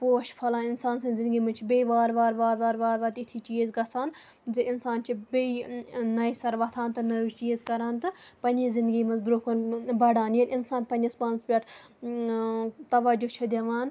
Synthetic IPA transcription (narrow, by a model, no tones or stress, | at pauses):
poːʃpʰɐlaːnɪnsaːnsɐ̃zɪnd̪ɡiːmɐnt͡ʃʰibeiʋaːɾʋaːɾʋaːɾʋaːɾʋaːɾʋɐːt̪it̪ʰiːt͡ʃiːzɡɐsʰaːn | zeɪnsaːnt͡ʃʰibeinɐjisɐɾʋɐt̪ʰaːnt̪ɨnɐɾuzt͡ʃiːzkɐɾaːnt̪ɨpɐnʲizɪ̃nd̪ɡimɐ̃nzbɾokɐnbɐɽaːniɐɾinsaːnpɐnʲɐsbɐnzpʲɐʈʰ | t̪ɐʋɐd͡ʒot͡ʃʰɐd̪jɐʋaːn